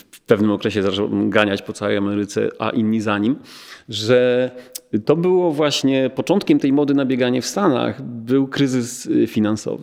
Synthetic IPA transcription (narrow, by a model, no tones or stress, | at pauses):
fpɛvnɘmɔkɾɛɕɛzat͡ʂɛ̰w̰ɡaɲat͡ɕpɔt̪sawɛ̰jamɛɾɘt̪sɛ̰ʔa̰ʔinːizaɲimʐɛ | t̪ɔbɘwɔvwaɕɲɛpɔt͡ʂɔnt̪kʲɛmt̪ɛjmɔd̪ɘnabʲjɛɡaɲɛfst̪ana̰xbɘwkɾɘzɘsfʲinansɔ̰vɨ